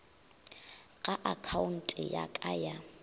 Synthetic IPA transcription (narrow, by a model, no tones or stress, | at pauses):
ɣʼaʔakʰaʊn̩tʼɪja̰kʼaja